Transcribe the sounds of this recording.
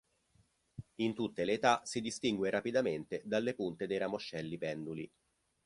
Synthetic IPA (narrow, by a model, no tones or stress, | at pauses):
int̪ut̪ːeleːt̪asid̪ist̪iŋɡweɾapid̪ament̪ed̪alːepunt̪ed̪ejɾamoʃːɛlːipɛnd̪uli